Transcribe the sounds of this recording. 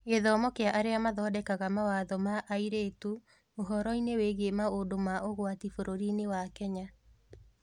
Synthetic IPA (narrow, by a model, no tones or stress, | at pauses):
eðɔːmɔkeaʔaɾeamaðɔːdɛkaɣamawaðɔmaʔaiɾetu | oɦɔɾɔineweɣemaodomaoɣwatifoɾoɾinewakɛɲa